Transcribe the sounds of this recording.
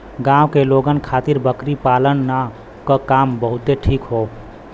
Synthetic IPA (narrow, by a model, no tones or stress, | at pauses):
ɡãwkeloɡənkʰat̪iɾbəkɾipalənːa | kəkambəɦut̪eʈʰikɦo